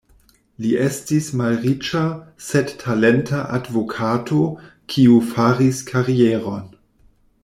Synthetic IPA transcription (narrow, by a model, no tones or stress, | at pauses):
liʔestismalʁit͡ʃasedtʰalentaʔadvo̞kʰatʰokʰiufaɾiskʰaɾieɾo̞n